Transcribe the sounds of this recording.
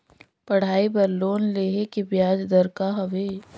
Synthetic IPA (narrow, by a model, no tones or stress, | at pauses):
pɐɽ̤aːibɐɾlːoːnleːɦekebjaːd͡ʒd̪əɾkaɦɐʋeː